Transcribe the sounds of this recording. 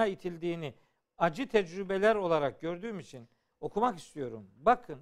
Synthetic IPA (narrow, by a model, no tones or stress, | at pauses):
ait̪ʰilʲd̪iːni | ad͡ʒɯt̪ʰɛd͡ʒɾybelʲæɾo̞lˠaɾak̚ɟø̞ɾd̪yːmit͡ʃʰin | o̞kʰumakist̪ʰijo̞ɾumbakʰɯn